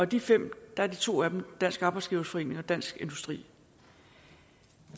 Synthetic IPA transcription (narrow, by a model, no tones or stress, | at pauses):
ɒ̽d̥ifem̰d̥ɑ̈æɐd̥it͡sʰo̝̰ːæd̥m̩d̥æn̰sɡ̥ɑːb̥ɑɪsɡ̥iːʊsfɒ̽e̝ːne̝ŋɒ̽d̥æn̰sɡ̥e̝nd̥usd̥ʁḭː